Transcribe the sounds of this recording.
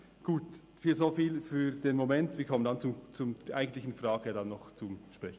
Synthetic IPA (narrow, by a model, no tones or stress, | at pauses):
ɡ̥uːt | fiːlzofiːlfyːd̥eːnmomɛntv̥iːkʰɔməndant͡sut͡sumdɛʔaɪɡən̩t̪lɪçn̩frɑːɡədanːɔχt͡sumʃprɛçn̩